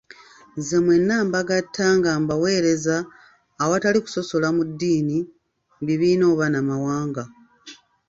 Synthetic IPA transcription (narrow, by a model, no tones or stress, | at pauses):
ze̞mwe̞nːaːmbaɡatʰːaːŋɡaːmbawe̞ːɾe̞zaː | wataliku̥so̞so̞lamudːiːni | mbiβiːno̞ːβanamawaːŋɡa